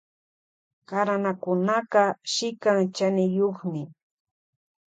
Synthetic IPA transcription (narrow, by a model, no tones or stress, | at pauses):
kaɾanakʊnaqɑʃɪkaŋt͡ʃanɪjoχmɪ